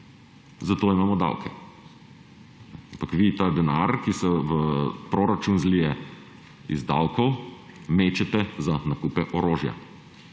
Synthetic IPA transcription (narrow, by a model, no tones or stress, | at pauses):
zat̪oːimaːmɔd̪a̰wkʰɛ | ampakʋit̪aːd̪ɛnaɾkisɔʋəpɾoːɾat͡ʃunzlijɛ | ḭzd̪awkɔw | meːt͡ʃɛt̪ɛzanakuːpɛʔɔɾoːʒja̰